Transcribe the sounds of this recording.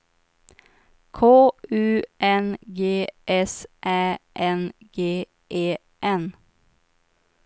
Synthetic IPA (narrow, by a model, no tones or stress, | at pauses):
kʰoːʉːʔɛnɡeːʔɛsʔæːʔɛnɡ̥eː | ʔeː | ʔɛn